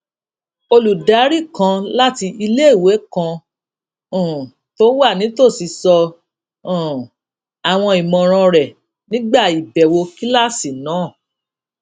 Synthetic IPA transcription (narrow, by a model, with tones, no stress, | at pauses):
o˧lu˨da˨˦ɾi˦˨kã˧la˦ti˧ʔi˧le˦i˦˨we˨˦kã˧˨ | to˦wa˦˨nĩ˨˦to˦˨si˧sɔ̃˧˨ | a˨w̃ɔ̃˧i˨mɔ̃˨ɾ̃ã˧ɾɛ˨ | nĩ˦ɡ͡ba˦˨i˨bɛ˨wo˧ki˦la˦˨si˨nãː˨˦˨